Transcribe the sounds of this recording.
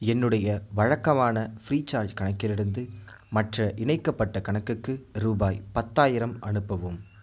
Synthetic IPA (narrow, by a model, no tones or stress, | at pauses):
ɛnːɯɽɐjɐʋɐɻɐkːɐmaːnɐfɾiːt͡ʃːaːɾd͡ʒkɐɳɐɪkːɪlɪɽɯnd̪ɯ | mɐʈrɐʔɪɳɐɪkːɐpːɐʈːɐkɐɳɐkːɯkːɯɾuːbaːjpɐt̪ːaːjɪɾɐmʔɐ̰ɳɯpːɐʋɯm